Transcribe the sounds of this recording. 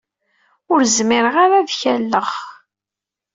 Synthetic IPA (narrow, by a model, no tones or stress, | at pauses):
ʊɾzmɪɾʁaɾaðçælːəʁ